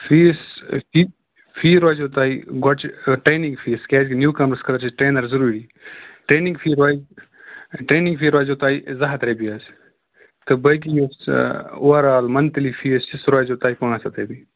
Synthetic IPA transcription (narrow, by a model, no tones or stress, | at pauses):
fiːsfi | fiːɾoːjzot̪aːiɡɔt͡ʃʈɾeːnĩŋɡfʰiːskʲɛːd͡ʒkinjuːkɐmɾskɐlɐɾt͡ʃʰiʈɾeːnɐɾzɐɾuːɾi | ʈɾeːnĩŋɡfʰiːɾaːiz | ʈɾeːnĩŋɡfʰiːɾaːzot̪aːizɐɦɐt̪ɾebiaːs | t̪ɨbəjk̬ijusoʋɐɾaːlmɐnt̪ɐlifʰiːst͡ʃisɾoːzoːt̪aːipɐŋasɐt̪ɐbi